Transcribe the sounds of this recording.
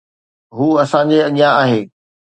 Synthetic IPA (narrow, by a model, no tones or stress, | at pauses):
ɦuːɐsãɲd͡ʑeɐʄijãaːɦeː